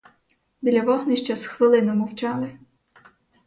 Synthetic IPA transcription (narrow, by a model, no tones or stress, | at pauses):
bʲilʲɐʋɔɦniʃt͡ʃɐsxʋɪlˠɪnɔmʊwt͡ʃɑlˠɪ